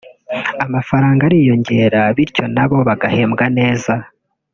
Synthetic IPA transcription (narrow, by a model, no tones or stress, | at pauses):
amafaɾaːŋɡaɾijo̞ɲɟe̞ːɾaβiɾco̞naβo̞βaɡahe̞ːmɡane̞ːza